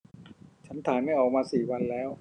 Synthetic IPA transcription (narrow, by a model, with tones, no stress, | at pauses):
t͡ɕʰa˦˥nt̪ʰaː˩˦nma˥˩jʔɔː˨˩k̚maː˧siː˨˩wa˧nlɛː˦˥˩w